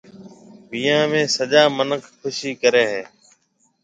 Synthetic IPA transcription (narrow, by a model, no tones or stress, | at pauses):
bijãːmẽːsəʄaːmənəkʰkʰʊʃiːkəɾeːɦeː